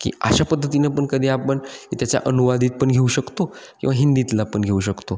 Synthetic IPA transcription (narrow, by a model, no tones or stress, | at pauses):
kḭːa̰ɕapəd̪ʱːət̪̬inepəɳkəd̪ʱiːapəɳit̪jat͡ɕja̰ʔənuʋad̪ʱiːt̪̚pəɳɡʱeuɕəkt̪o | kĩw̃ʋaɦind̪it̪lapəɳɡʱeuɕəkt̪o